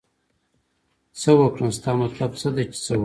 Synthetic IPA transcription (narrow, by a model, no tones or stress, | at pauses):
t͡səwəkɽəmst̪ɑːmat̪labt͡səd̪et͡ʃe̥t͡sə